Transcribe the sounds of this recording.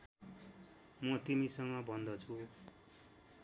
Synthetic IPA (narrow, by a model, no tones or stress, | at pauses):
mʌt̪imisʌŋɡʌbʱʌnd̪ʌt͡sʰu